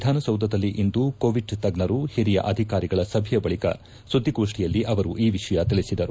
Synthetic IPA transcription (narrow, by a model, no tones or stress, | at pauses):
id̪ʱaːnɐsɐwd̪ʱɐd̪ɐlːiʔind̪ukoːʋiɖt̪ɐɡɳɐɾuhiɾijɐ̰ʔɐd̪ʱikaːɾiɡɐɭɐsɐbʱijɐbɐɭikɐ̰ | sud̪ʱːiɡoːʂʈijɐlːiʔɐʋɐɾuʔiːʋiʂɐjɐt̪iɭisid̪ɐɾu